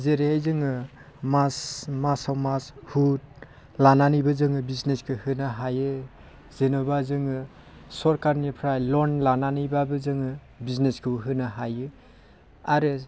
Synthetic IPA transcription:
zeɾehejzɯŋɯ | masmasawmashut̚ | lananijbɯzɯŋɯbizneskʰɯhɯnaɦajɯ | zenɔbazɯŋɯ | sɔɾkaɾnipʰɾajlɔnlananijbabɯzɯŋɯ | bizneskʰɯwɦɯnaɦajɯ | aɾɯ

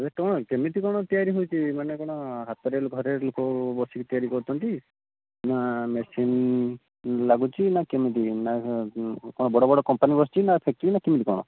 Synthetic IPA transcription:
beʈɔɽ̃ɔkemit̪ikɔɽ̃ɔt̪ijaɾiɦujt͡ʃʰimanekɔɽ̃ɔɦat̪ɔɾeloɡʱɔɾelokɔbɔsikit̪ijaɾikɔɾut̪ʰɔnt̪i | namesin | laɡut͡ʃʰinakemit̪̬ina | kɔɽɔbɔɽɔbɔɽɔkɔmpanibɔst͡ʃʰinapʰek̚ʈinakemit̪ikɔɽ̃ɔ̰

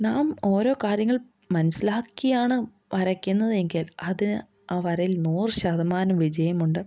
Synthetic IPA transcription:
naːmo̞ːɾo̞ːkaːɾjɐŋːɐɭ | mɐnɐsilaːkːijaːɳɨ | ʋɐɾɐkʲːunːɐðe̞ŋɡilɐðinɨ | aːʋɐɾɐjilnuːrɕɐd̪ɐmaːnɐmʋid͡ʑɐjɐmuɳɖɨ

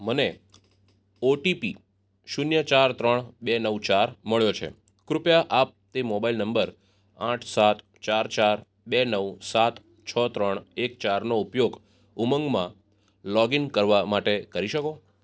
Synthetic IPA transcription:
məne | oʈipi | ʃunjət͡ʃaɾt̪ɾəɳbenəʋt͡ʃaɾməɭjot͡ʃʰḛ | kɾʊpjaʔap̚t̪emobailnəmbəɾ | ãʈʰsat̪ | t͡ʃaɾt͡ʃaɾ | benəʋsat̪ | t͡ʃʰət̪ɾəɳek̚t͡ʃaɾnoupjoɡ | uməŋɡmã | lɔɡinkəɾʋamaʈekəɾiʃəko

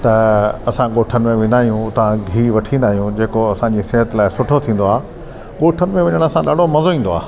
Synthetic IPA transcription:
t̪ɐɐsãɠoːʈʰənɪ̆mẽʋɪ̃nd̪aːɦijũt̪ɐʋ̤ãɡʱiːʋɐʈʰĩːn̆d̪aːɦijũd͡ʑeːkoɐsãd͡ʑiːseːɦət̪ɪlaːɪsʊʈʰot̪ʰĩːn̆d̪oaː | ɠoːʈʰənɪ̆mẽʋɐɲəɽ̃ɐsãɗa̰ːɖʱomɐzoĩːn̆d̪oa̰ː

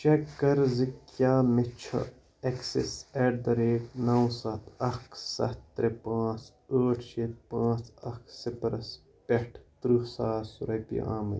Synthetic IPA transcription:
t͡ʃekːɐɾzikjaːmet͡ʃʰɐ̰ | eksḛseːɖ̚d̪ɐɾeːknɐwsɐt̪ʰɐksɐ̰t̪ːɾepãːt͡s | əːʈʰʃet̪̚pãːt͡sɐksipɾɐs | peʈʰt̪ɾuhsaːsuɾɐpḭa̰ːmɐ̰

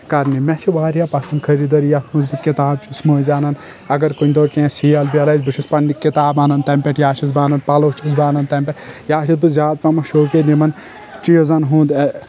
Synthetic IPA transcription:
kɐɾnimɛt͡ʃʰiʋaːɾjapɐsɐnkʰɐɾid̪ɐɾjɐt̪ʰmɐzbɨkit̪aːb̚t͡ʃʰusmɐːzʲaːnɐn | ɐɡɐɾkonʲd̪oɾkẽsijɐlbiɐlajzʲbɨʃʰuspɐnːikʲːit̪aːbaːnɐnt̪ɐmpʲeʈjaːt͡ʃʰizbaːnɐnpɐlot͡ʃʰusbaːnɐnt̪ɐmpʲɛʈjaːʃʰizbɨzʲaːd̪̚pɐmɐʃoːkenimɐn | t͡ʃijozɐnɦũːd̪ɐ

